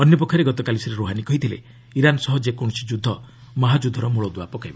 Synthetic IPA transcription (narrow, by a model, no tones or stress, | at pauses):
ɔnjɔpɔkʰːɔɾeɡɔt̪ɔkalisɔɾeɾoɦanikɔɦit̪ʰilḛ | iɾanɔsɔɦɔd͡ʒekɔɳ̃ɔsid͡ʒud̪ʱːɔ | mɔɦad͡ʒud̪ʱːɔɾɔmuɭɔd̪uapɔkajbɔ